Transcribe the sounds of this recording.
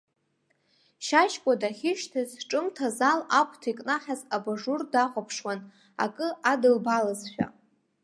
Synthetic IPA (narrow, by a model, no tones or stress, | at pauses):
ʃaʃkʷʼadaχʲɪʃtʰazʈ͡ʂʼɨmtʰazalakʷʼʰtʰikʼnaχʲazabaʐurdaχʷʼapʰʂwan | a̰kʼɨʔadɨlbalazʃʷᶣa̰